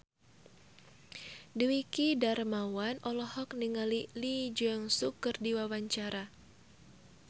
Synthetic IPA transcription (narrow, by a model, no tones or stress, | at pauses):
diwikidarmawanɔlɔhɔk̚niŋalilid͡ʒaŋsukːɨrdiwawaɲt͡ʃaɾa